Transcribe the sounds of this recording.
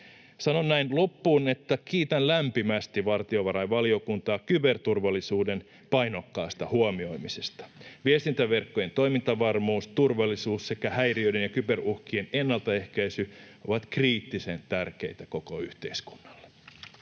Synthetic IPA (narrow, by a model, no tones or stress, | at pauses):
sɑno̞nnæinlopːuːne̞t̪ːækiːt̪ænlæmpimæst̪iʋɑrt̪io̞ʋɑɾɑjʋɑlio̞kunt̪ɑːkybe̞rt̪urʋɑlːisuːde̞n | pɑjno̞kːɑːst̪ɑhuomio̞jmisest̪ɑ̥ʋiest̪int̪æʋe̞rkːoje̞nt̪o̞jmint̪ɑʋɑrmuːst̪urʋɑlːisuːsse̞kæhæjriøjde̞njɑkybe̞ruhkiene̞nːɑlt̪ɑe̞hkæisyʔoʋɑt̪kriːt̪ːise̞nt̪ærke̞̰jt̪æko̞ko̞yht̪e̞isku̥nːɑlːe